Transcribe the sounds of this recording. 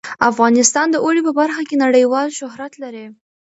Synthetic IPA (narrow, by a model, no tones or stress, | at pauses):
afɣɑnɪst̪ɑnd̪əʔoɽipəbaɾxakenaɽəjwɑlʃʊɦɾat̪laɾi